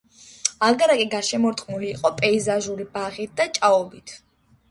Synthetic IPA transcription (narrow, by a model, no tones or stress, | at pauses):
alˠɡaɾakʼiɡaʃɛmɔɾt̪ʼqʼnuliːqʼɔpʼɛizaʒuɾibaʁit̪̚d̪̥at͡ʃʼaɔbit̪ʰ